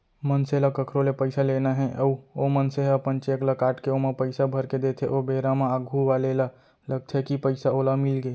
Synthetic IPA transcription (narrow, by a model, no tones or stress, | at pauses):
mənselakəkʰɾolepəɪsalenaɦɛ̃ʔəuomənseəpənt͡ʃeklakaːʈkeomepəɪsabʱəɾked̪et̪ʰeʔobeːɾameaɡʱuʋalela | ləɡ̚t̪ʰekipəɪsaolamɪlɡeː